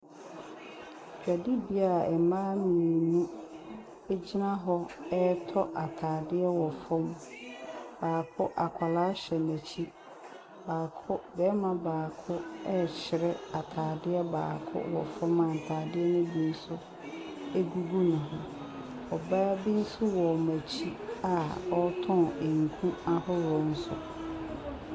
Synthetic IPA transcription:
t͡ʃᶣa˨di˦bi˨˦a˨ɛ˨mãː˦mĩ˨nũ˦ | e˦d͡ʑi˦nã˦ɦɔ˦ɛ˦tʰɔ˦ʔa˨tʰaː˨dɪ˦ɛ˦wɔ˨fɔ̃˦m | b̥aː˨kʰʊ˦ʔa˨kʷʰa˨laː˦ɕɛ˨næ˨t͡ɕʰi˦ | baː˨kʰʊ˦bɛː˦mã˨baː˨kʰʊ˦ɛ˦t͡ɕɪ˨ɾɛ˦a˨tʰaː˨dɪ˦ɛ˦ba̰ː˨kʰʊ̰˦wɔ˨fɔ̃˦mã˨n̩˨tʰaː˨dɪ˦ɛ˦nʊ̃˦bi˦n̩˦sʊ˦ | e˦ɡu˦ɡu˦nʊ̃˨ɦʊ̃˦ | ɔ˨baː˦bi˦n̩˦sʊ˦wɔ˨mæ˨t͡ɕʰi˦a˨ɔ˦tʰɔ̃˦˨e˨ŋ̩˨kʰũ˦a˦hɔ˦wɔ˨n̩˦sʊ̰˦

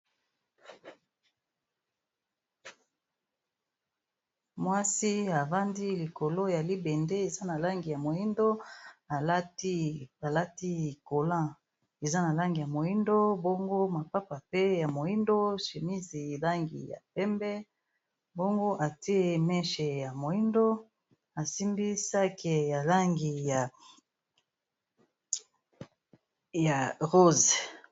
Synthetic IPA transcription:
mwa˦si˦a˨va˦ndi˦li˨ko˨lo˦ja˨li˦bɛ˨nde˦e˨za˦na˨la˦ŋɡi˨ja˨mo˨ji˦ndo˦a˨˦ | a˨la˦ti˦i˨ko˨lã˦˨ | e˨za˦na˨la˦ŋɡi˨ja˨mo˨ji˦ndo˦bo˦ŋɡo˦ma˨pa˦pa˨pe˦ja˨mo˨i˦ndo˦ʃe˨mi˦zi˨la˦ŋɡḭ˨ja̰˨pɛ˦mbɛ˦ | bo˦ŋɡo˦ʔa˨ti˦e˦mɛ˦ʃe˨ja˨mo˨i˦ndo˦ | a˨si˦mbi˦sa˦ke˨ja˨la˦ŋɡi˨ja˨ | ja˨ʁo˦z

